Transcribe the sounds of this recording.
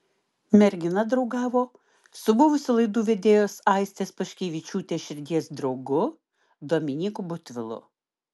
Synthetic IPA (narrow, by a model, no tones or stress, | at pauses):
mʲɛɾʲɡʲɪnɐd̪ɾɒʊɡɑːʋoː | sʊbʊʋʊsʲɪlˠɐɪd̪uːʋʲed̪ʲeːjoːsɐˑɪsʲt̪ʲeːspɐʃʲkʲeːʋʲɪt͡ʃʲuːt̪ʲeːʃʲɪɾʲd̪ʲiɛsd̪ɾɒʊɡʊ | d̪oːmʲɪnʲiːkubʊt̪ʲʋʲɪlˠʊ̰